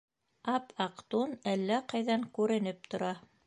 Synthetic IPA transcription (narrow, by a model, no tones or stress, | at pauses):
ɑpʰɑqt̪unælːæqɑjðɑŋkʉɾɘ̆nɘp̚t̪ŏɾɑ